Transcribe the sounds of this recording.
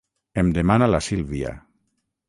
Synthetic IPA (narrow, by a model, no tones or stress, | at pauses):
emd̪emanalasilβia̰